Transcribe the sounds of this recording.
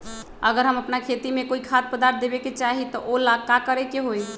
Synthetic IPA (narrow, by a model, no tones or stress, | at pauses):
əɡəɾɦəməpnakʰet̪imekoikʰat̪̚pəd̪aɾt̪̚ʰd̪ebeket͡ʃaɦit̪ɔʔolaɡkakəɾekeɦoj